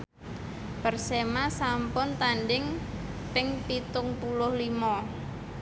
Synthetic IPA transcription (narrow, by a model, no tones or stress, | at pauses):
pərsemasampʊnt̪anɖɪŋpɪŋpit̪ʊŋpulʊhlimɔ